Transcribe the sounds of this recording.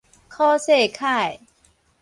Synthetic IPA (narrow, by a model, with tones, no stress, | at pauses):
kʰɔː˥˩seː˥˩kʰaː˥˩j